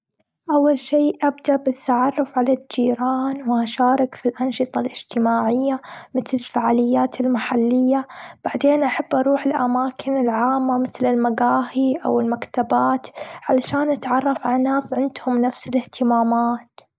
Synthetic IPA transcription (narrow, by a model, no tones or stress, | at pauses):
ʔawːalʃiːʔabd̪aʔbɪt̪ʰːaʕɑrˤːʊfʕalad͡ʒiːɾaːnwɪʔaʃaːɾˤɪkfilʔɑnʃɨt̪ˤɑlʔɪd͡ʒt̪ɪmaːʕɪjːamɪθlɪlfaʕaːlɪjːaːt̪ʰɪlmaħalːɪjːab̥aʕd̪eːnʔaħabːʔɑɾˤuːħɪlʔa̰maːkʰɪnɪlʕaːmːamɪθlɪlmaɡaːhiʔa̰wɪlmakt̪abaːt̪ʕalaʃaːnʔat̪ʕɑrˤːɑfʕalanaːsʕɪnd̪hʊmnafsɪlɪht̪ɪmaːmaːt̪